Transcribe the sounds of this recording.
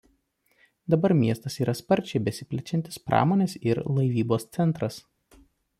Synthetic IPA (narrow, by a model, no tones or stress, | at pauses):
d̪ɐbɐɾmʲiɛst̪ɐsiːɾɐspɐɾʲˑt͡ʃʲɛɪbʲɛsʲɪpʲlʲɛt͡ʃʲɛnt̪ʲɪspɾʔɑ̰ːmoːnʲeːsɪɾlˠɐɪʋʲiːboːst̪sʲɛnˑt̪ɾɐs